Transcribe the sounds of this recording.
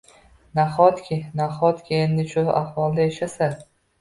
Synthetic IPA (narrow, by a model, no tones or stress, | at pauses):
naχɒt̪kʲʰɪnaχɒt̪kʲʰienːɪʃʊa̰hvɒlˠd̪aeʃasa